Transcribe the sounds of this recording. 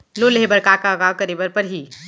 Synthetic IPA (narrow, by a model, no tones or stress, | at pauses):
loleɦebəɾkaːkaɐɣaːʋkɐɾiːbəɾpɐɾɦi